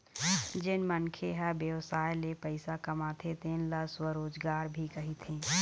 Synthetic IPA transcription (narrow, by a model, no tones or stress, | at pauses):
d͡ʒɪnmənkʰeɦɛbjəwsaːjlepəɪsakəmaːt̪ʰet̪enləswəɾoːd͡ʒɡaːɾbʱikəɦit̪ʰẽː